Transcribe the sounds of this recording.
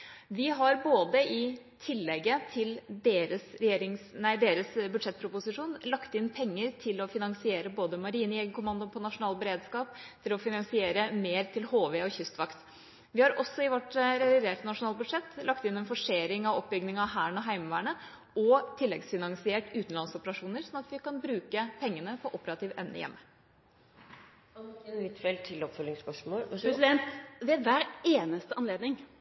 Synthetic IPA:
ʋɪɦɑɾboːd̪əʔɪt̪ʰɪlːɛɡət̪ʰɪld̪eːɾəsɾɛjeːɾɪŋsnæɪd̪eːɾəsbʉd̪ʂɛt̪̚ːpʰɾʊpʊsɪʂuːnlɑkt̪ɪnpʰɛŋːəɾt̪ʰɪlɔfɪnɑŋsɪeːɾəboːd̪əmɑɾiːnɪɛːɡəkʰʊmɑnd̪ʊpʰɔnɑʂʊnɑːlbəɾeːd̪skɑːp̚t̪ʰɪlɔfɪnɑŋsɪeːɾəmeːɾt̪ʰɪlhoːʋeɔçʏst̪ʋɑkt̪ | ʋɪhɑɾʔɔsːɔɪʋɔʈɾɛʋɪd̪eːʈənɑʂʊnɑːlbʉd̪ʂɛt̪ːlɑk̚t̪ɪnːɛnfɔʂeːɾɪŋɑʋɔp̚ːbʏɡnɪŋɑɦæːɳɔɦæɪməʋæːɳə | ɔt̪ʰɪlːɛɡsfɪnɑŋsɪeːʈʉːt̪n̩lɑnsɔpəɾɑʂuːnəɾsɔnɑt̪ʋɪkɑnbɾʉːkəpʰɛŋːənəpʰɔʔɔpəɾɑt̪ʰiːʋʔɛ̰mnə̰jɛ̰mːə | ənʋɪt̪fɛlt̪ʰɪlɔpfœlɪŋspœʂmoːlɛsɪd̪ɛnt̪ʋeʋæːɾeːnəst̪əɑnleːd̪nɪŋ

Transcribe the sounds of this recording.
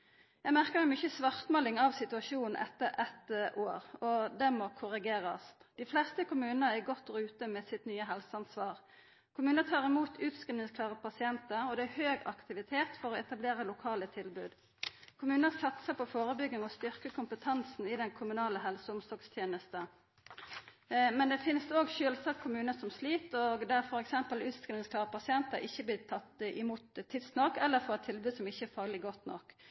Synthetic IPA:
jæɪmæʁkəmɛmʏçəsʋɑʁt̪mɑːlɪŋɑʋsɪt̪ʉɑʃuːnn̩ʔɛ̰t̪ːəʔɛt̪ʔoːʁɔd̪ɛmɔkʰʊʁɪɡeːʁɑ̰sd̪̥ɪflɛst̪əkʰʊmʉːnəæɡɔt̪ːɔʁʉːt̪əmɛsɪt̪nyːəɦɛlsəɑnsʋɑːʁ | kʰʊmʉːnət̪ʰɑːʁɪmuːt̪ʰʉːt̪skʁɪnnɪŋskʰlɑːʁəpʰɑsɪɛnt̪əʁɔd̪ɛæhøːɡɑ̰kt̪ɪʋɪt̪ʰeːt̪fɔʁɔɛt̪ɑbleːɾəlʊkʰɑːlət̪ʰɪlbʉːd̪ | kʰʊmʉːnəsɑt̪səpɔfoːʁəbʏɡɪŋɔst̪ʏʁkəkʰʊmpət̪ʰɑnsn̩ɪd̪ɛŋkʰʊmʉnɑːləɦɛlsəʊmsɔɡst̪ʰjeːnəst̪ə | mɛnd̪ɛfɪnsoːɡʃøːlsɑkʰʊmʉːnəsɔmsliːt̪ɔɡd̪æʁfɔɾɛksɛmpəlʉːt̪skɾɪnɪŋskʰlɑːʁəpɑsɪɛnt̪əɾɪçːəblɪːt̪ʰɑt̪ːɪmuːt̪ʰːɪd̪snɔkːɛlːəɾfɔʁɛt̪ʰːɪlbʉːd̪sɔmɪçːəɛfɑːɡlɪɡɔt̪nɔ̰kː

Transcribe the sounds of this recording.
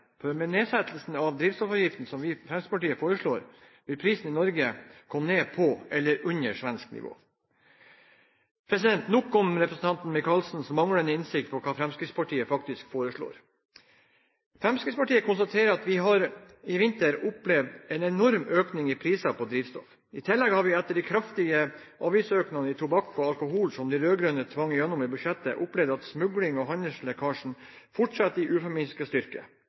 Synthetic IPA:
pʰɔmeneːsæt̪l̩sn̩ɑʋd̪ɾiːʋst̪ɔfɑjɪft̪n̩sɔmʋɪfɾɛmsɾɪ̥spʰɑʈiːəfoːɾəʂɭoːɾ | ʋɪlpʰɾiːsn̩ɪnɔɾɡəkʰɔmneːpʰɔɛlːəɾʉnəʂʋɛnsknɪ̰ʋo̰ː | pʰɾɛsɪd̪ɛnt̪nʊkːɔmɾɛpɾəsn̩t̪ɑnt̪nmɪkɑlsn̩sɔmɑŋɽənəɪnsɪk̚t̪̚pʰɔkʰɑːfɾɛmskɾɪt̪spɑʈiːəfɑkt̪ɪskfoːɾəʂɭo̰ːɾ | fɾɛmskɾɪt̪spɑʈiːəkʰʊnst̪ɑt̪ʰeːɾəɾɑt̪ʋɪɦɑɾ | ɪʋɪnt̪əɾʊplɛʋd̪ɛnɛnɔɾmøːknɪŋɪpʰɾiːsɑpʰɔd̪ɾiːʋst̪ɔ̰f | ɪt̪ʰɪlːɛɡhɑɾʋɪɛt̪ːəɖɪkʰɾɑft̪ɪɡə | ʔɑːʋiːsøːknɑnəɪt̪ʰʊbɑkːɔɑlkʊɦuːlsɔmd̪iɾøːɡɾʉnət̪ʰʋɑŋːɪjɛnːʊmibʉʂɛt̪ːə̰ʔʊplɛʋd̪ɑt̪smʉɡlɪŋɔɦɑnəslɛkʰɑːʂɳ̩fʊʈʂɑt̪ːɪʔʉːfɔmɪnskəst̪ʏɾkə̰

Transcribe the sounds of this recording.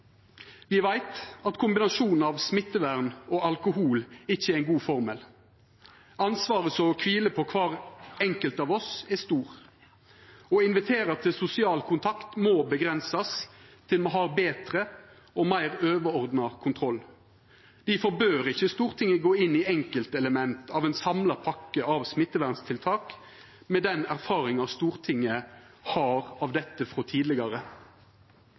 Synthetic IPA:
ʋɪʋæɪt̪ɑt̪kʰʊmbɪnɑsuːnn̩ɑːʋsmɪt̪ːəʋæʁnɔːɑlkʊɦuːlɪçːəæɪnɡuːfɔʁmɛl | ɑnsʋɑːʁəsɔkʰʋiːləpʰɔkʰʋɑːʁɛŋkəlt̪ɑːʋɔsɛst̪uːʁ | ɔɪnʋɪt̪ʰeːɾɑt̪ʰɪsʊsɪɑːlkʰʊnt̪ʰɑkt̪moːbəɡʁɛnsɑst̪ʰɪlmoːɦɑːbeːt̪ʁə | ɔmæɪʁøːʋəɔʁd̪nɑkʰʊnt̪ʰʁɔl | d̪̥ɪfɔbøːɾɪçːəst̪uːʁt̪ʰɪŋːəɡoːɪnːiɛŋkəlt̪ɛləmɛnt̪ʰɑːʋɛnsɑmlɑpʰɑkːəɑʋsmɪt̪ːəʋæʁnst̪ʰɪlt̪ʰɑːk | mɛd̪ɛnæʁfɑːɾɪŋɑst̪uːʁt̪ʰɪŋːə | hɑːʁɑʋd̪ɛt̪ːəfɾɔt̪ʰiːd̪lɪɡɑʁə

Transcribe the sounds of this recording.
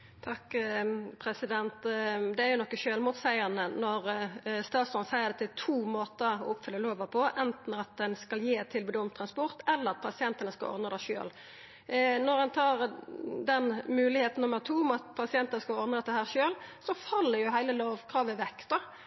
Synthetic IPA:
t̪ʰɑkː | pʰɾɛsɪd̪ɛnt̪d̪ɛæɾjʊnɔkːəʃøːlmuːt̪sæɪənənɔɾst̪ɑːt̪sɔnsæɪəʁd̪ɛt̪ʰɪlt̪ʰuːmoːt̪əɾɔ̰ʊpfʏlːəloːʋəpʰɔʔɛnt̪n̩ɑt̪̚d̪ɛnskɑljeːt̪ʰːɪlbʉːd̪əɔmt̪ʰːɾɑnspɔʁt̪ɛlːəʁɑt̪̚pʰɑsɪɛnt̪ənəskɑ̰ʔɔ̰ɾd̪əd̪æɪʃø̰ːl | nɔʁɛnt̪ʰɑːʁd̪ɛnmʉːlɪheːt̪n̩nʊmːəʁt̪ʰuːɔmɑt̪pʰɑsɪɛnt̪ənəskɑlɔɾd̪əd̪ɛt̪ːəhæːʁʂøːlsɔfɑlːəɾjʊɦæɪləloːʋkʰʁɑːʋəʋɛk̪ːd̪ɔ

